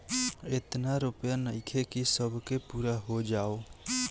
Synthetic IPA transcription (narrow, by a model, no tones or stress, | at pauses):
et̪naɾʊpjanəɪkʰekisəbʱkepuːɾaɦod͡ʒaːo